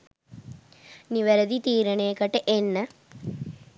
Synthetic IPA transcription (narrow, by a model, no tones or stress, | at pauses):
niʋɐɾɐd̪it̪iːɾɐɳeːkɐʈːɨʔenːɐ